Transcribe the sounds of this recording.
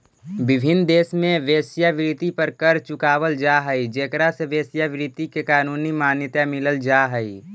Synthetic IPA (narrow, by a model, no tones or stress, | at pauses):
bɪbʱɪnd̪eːsmẽʋeːsjaʋɪɾɪt̪ipəɾkəɾt͡ʃʊkaːʋəld͡ʒaːɦəid͡ʒeːkɾaseʋeːsjaʋɪɾɪt̪ikekaːnuːnimaːnjət̪jamɪləld͡ʒaːɦəi